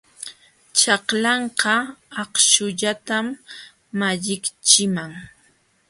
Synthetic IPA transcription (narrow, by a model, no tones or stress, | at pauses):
t͡ʃɑqlɑɴqɑɑqʃʊʎat̪amː | aʎɪkt͡ʃɪmaŋ